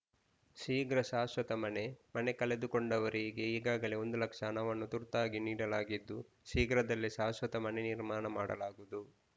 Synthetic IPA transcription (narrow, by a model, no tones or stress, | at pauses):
siːɡɾɐʃaːsʋɐt̪ɐmɐne̞mɐne̞kɐle̞d̪uko̞ɳɖɐʋɐɾiɡe̞iːɡaːɡɐle̞o̞nd̪ulɐkʂɐnɐːʋɐnːut̪uɾt̪aːɡiniːɽɐlaːɡid̪ːu | siːɡɾɐd̪ɐlːiʃaːsʋɐt̪ɐmɐne̞niɾmaːnɐmaːɽɐ̰laːɡud̪u